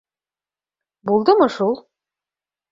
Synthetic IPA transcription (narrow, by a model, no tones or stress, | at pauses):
bulˠd̪ɤmɤʃulˠ